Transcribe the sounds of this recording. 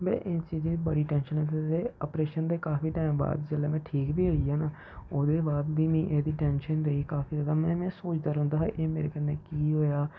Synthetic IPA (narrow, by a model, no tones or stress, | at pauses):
bɛ̰̃ːʔɪt͡ʃiːziːibəɽiːʈɛ̃ːnʃənɦɛ̃ːt̪edeːəpɾeːʃənd̪eːkaːfiːʈaːɪmba̰ːd̪d͡ʒəleːmɛ̃ːʈʰiːkbiːəiaːnaː | oːd̪eːbaːd̪biːmĩːʔeːd̪iːʈɛːnʃənɾəiːkaːfiːzəd̪aːmɛ̃ːmɛ̃ːsoːt͡ʃd̪aːɾɦʊ̃nd̪aːɦeːʔeːmeːɾḛːkənːeːkiːɦoːjaː